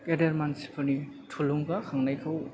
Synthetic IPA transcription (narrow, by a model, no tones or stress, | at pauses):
kedeɾmansi̥pʰɯɾni | tʰuluŋbakʰaŋnajkʰɯw